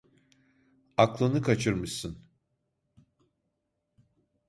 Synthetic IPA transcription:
aklˠɯnɯkʰat͡ʃʰɯɾmɯʃsɯn

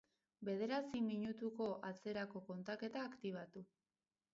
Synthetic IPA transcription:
be̞ð̞e̞ɾasimiɲut̪uko̞ʔat͡se̞ɾako̞ko̞nt̪ake̞t̪aːkt̪iβ̞at̪u

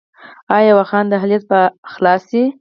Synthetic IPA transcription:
ɑjjawaxɑnd̪əɦalijat̪̚pəxlɑsi

